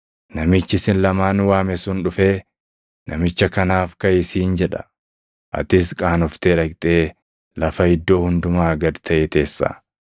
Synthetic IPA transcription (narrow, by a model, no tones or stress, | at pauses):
nɐmɪt͡ʃːɪsɪnlɐmaːnwaːmɛsʊnᶑʊfe̞ː | nɐmɪt͡ʃːɐkɐnaːfkɐjɪsiːnd͡ʒɛᶑɐ̥̰ | ʔɐ̰t̪ɪskʼaːnʊft̪eːᶑɐkt̪ʼe̞ː | lɐfɐɪd̪ːo̞ːhʊnd̪ʊmaːɡɐd̪t̪ʰɐʔeːt̪e̞ːsːa̰ː